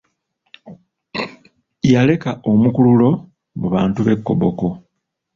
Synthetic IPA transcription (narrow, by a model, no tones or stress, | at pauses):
jale̞kaʔomukululo̞ | muβaːntuβe̞kːo̞̰boko̞